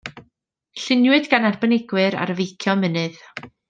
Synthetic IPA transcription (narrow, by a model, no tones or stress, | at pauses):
ɬɪnjwɨdɡanarbənɪɡwɨɾa̰ɾəvejkʰjɔmənɨð